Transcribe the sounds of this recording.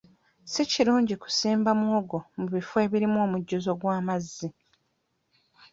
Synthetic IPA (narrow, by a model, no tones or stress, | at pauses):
siciɾuːɲɟiku̥siːmbamwoːɡo̞muβifoe̞βiɾimo̞ːmuɟːuzo̞ɡwaːmazːi